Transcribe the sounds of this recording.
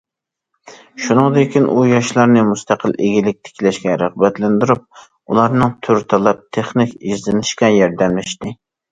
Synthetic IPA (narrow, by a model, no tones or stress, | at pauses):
ʃunɨŋd̪kʲinʔujɑʃlˠɑɾnɨmust̪ʰæqʰəlʔeɡʲilɪk̚ʲt̪ʰɪ̥kʲlɛʃkʲɛɾəʁbɛt̪lɪnd̪yɾup̚ | ulˠɑɾnɨŋt̪ʰyɾt̪ʰɑlˠɛp̚t̪ʰeχnɪkʲizlɪnɪʃkʲɛjɑɾd̪ɛmlɪʃt̪ɪ